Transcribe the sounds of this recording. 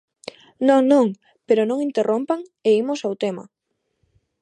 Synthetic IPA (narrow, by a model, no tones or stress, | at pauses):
nõŋnõŋ | peɾonõŋint̪erʔompaŋeimʊsawt̪ema̰